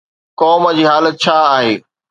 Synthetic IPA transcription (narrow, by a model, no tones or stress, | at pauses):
kɔːməd͡ʑiːɦaːlət̪̚t͡ɕʰaaːɦeː